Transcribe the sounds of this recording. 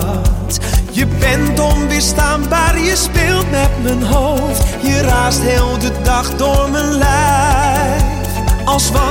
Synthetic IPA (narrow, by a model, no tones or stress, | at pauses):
t | jəbɛntɔmʋɪstaːnbaːrjəspɪːlˠtmɛtmənɦow | ftjəraːstɦeːlˠdədɑχdʊːɹmənlɛj | fɑlˠsʋɑ